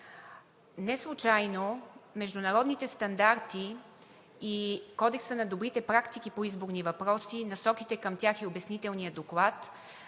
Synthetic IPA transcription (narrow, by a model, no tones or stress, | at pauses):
nɛslˠʊt͡ʃajnomɛʒd̪ʊnɐɾɔd̪nit̪ɛst̪ɐnd̪aɾt̪iː | kɔd̪ɛksənɐd̪obɾit̪ɛpɾakt̪ikipoizboɾnivɐpɾɔsinɐsɔkit̪ɛkəmt̪ʲjaxiobɛsnit̪ɛlˠnijəd̪oklˠat̪